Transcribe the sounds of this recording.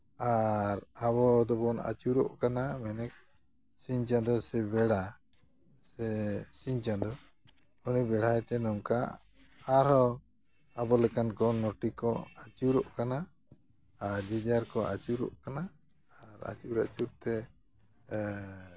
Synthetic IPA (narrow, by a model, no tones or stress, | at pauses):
aɾaβɔd̪ɔbɔna̰t͡ʃuɾɔʔkanamɛnɛk̚ | siɲt͡ʃad̪ɔsɛbɛɽa | sɛsiɲt͡ʃad̪ɔ | unibɛɽ̤ajt̪ɛnɔmka | aɾɔ | abɔlɛkankɔnɔʈikɔat͡ʃuɾɔʔkana | aɾd͡ʒid͡ʒaɾkɔʔa̰t͡ʃuɾɔ̰ʔkanaː | ɾa̰t͡ʃuɾaʔt͡ʃuɾt̪ɛ